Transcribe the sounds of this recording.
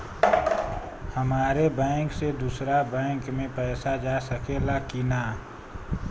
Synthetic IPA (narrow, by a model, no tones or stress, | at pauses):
həmaːɾebɛ̃ːŋksed̪uːsɾabɛ̃ːŋkmẽpɛːsad͡ʒaːsəkelakinaː